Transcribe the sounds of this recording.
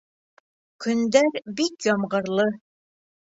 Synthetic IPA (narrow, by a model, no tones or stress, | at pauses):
kɵ̆nd̪æɾbikjɒmʁɤ̆ɾlˠɤ